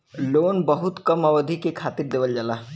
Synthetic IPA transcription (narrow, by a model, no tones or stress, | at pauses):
loːnbəɦʊt̪kɐmaʋəd̪ʱikekʰaːt̪ɪɾd̪eːʋəld͡ʒaːlaː